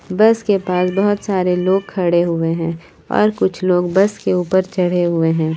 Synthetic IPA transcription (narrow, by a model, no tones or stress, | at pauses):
bɐskepaːsbɐɦʊt̪saːɾeloːɡ̚kʰɐɽeɦʊeɦɛ̃ː | ɔ̰ːɾkʊt͡ʃʰloːɡbɐskeuːpəɾt͡ʃɐɽ̤eɦʊeɦɛ̃ː